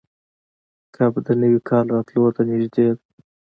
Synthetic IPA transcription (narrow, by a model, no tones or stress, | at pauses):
kʰabd̪ənəwikʰɑlːɑt̪lot̪anɪʒd̪ed̪